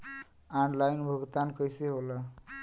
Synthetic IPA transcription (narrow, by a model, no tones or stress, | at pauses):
aɳlajnbʱəɡt̪ankəjseɦolə